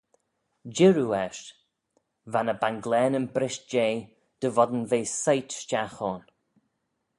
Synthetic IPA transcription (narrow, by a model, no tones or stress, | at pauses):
d͡ʒɪɹuɛʃ | vanəbanɡlɛːnənbɾɪʃd͡ʒeː | d̪̥əvɔd̪ənveːsajtʃt͡ʃaxɔːn